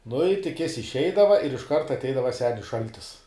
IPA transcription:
nʊ ɪ tʲɪk ˈjɪs ɪʃʲˈɛɪdɐʋɐ ɪr ɪʃˈkɐrt ɐtʲˈɛɪdɐʋɐ ˈsʲæːnʲɪs ˈʃɐlʲtʲɪs

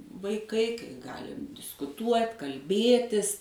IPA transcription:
ʋɐɪˈkɐɪ kɐɪ ˈɡɑːlʲɪm dʲɪskʊˈtuɔtʲ kɐlʲˈbʲeːtʲɪs

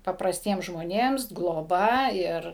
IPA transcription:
pɐprɐsʲˈtʲiɛms ʒmoːˈnʲeːms ɡlˠoːˈbɐ ˈɪr

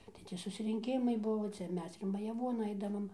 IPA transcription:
tɐɪ ˈtʲɪ sʊsʲrʲɪŋʲˈkʲɪmɐɪ ˈbʊʋoː ˈt͡sʲɛ ˈmʲɛs ɪr mɐjɛˈʋuɔn ˈɐɪdɐʋɐm

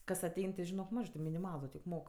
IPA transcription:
ˈkɐs ɐˈtʲɛɪn tʲɪ ʒʲɪˈnoːk ˈmɑːʒɜ tʲɪ mʲɪnʲɪˈmɑːlˠʊ tʲɪk ˈmoːk

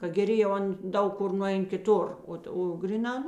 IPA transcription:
kɐ ɡʲɛˈrʲɪ jɛʊ ˈɐn ˈdɐʊk ˈkʊr nʊˈɛɪn kʲɪˈtʊr ˈoːt oː ˈɡrʲiːˌnɑː ˈnʊ

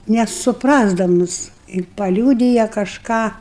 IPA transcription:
nʲɛsʊpˈrɑːzdɐmʊs ɪ pɐˈlʲuːdʲɪjɛ kɐʃˈkɑː

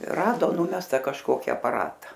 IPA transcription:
ˈrɑːdoː ˈnʊmʲɛstɐ kɐʃˈkoːkʲɪ ɐpɐˈrɑːtɐ

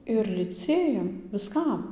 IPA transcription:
ɪr lʲɪˈt͡sʲeːjɛm ʋʲɪˈskɐm

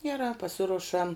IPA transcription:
ɡʲɛˈrɑː pɐˈsʲɪrʊʃɐm

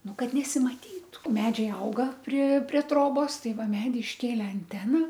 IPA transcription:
ˈnʊ ˈkɐt nʲɛsʲɪmɐˈtʲiːtʊ ˈmʲæːd͡ʒʲɛɪ ˈɐʊɡɐ pʲrʲɪ pʲrʲiɛ ˈtroːboːs ˈtɐɪ ˈʋɐ ˈmʲæːdʲiː ɪʃʲˈkʲeːlʲɛ ɐnʲˈtʲæːnɐ

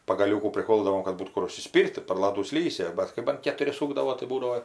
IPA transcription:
pɐɡɐˈlʲuːkuː pʲrʲɪˈkoːlˠdɐʋoːm kɐt ˈbuːt ˈkʊr ʊʃʲsʲɪˈsʲpʲiːrʲtʲ tɐɪ pɐr ˈlˠɑːduː ˈsʲlʲiːsʲɪ ˈbɐt kɐɪ bɐn kʲɛtʊˈrʲɪ ˈsuːɡdɐʋoː tɐɪ ˈbuːdɐʋoː

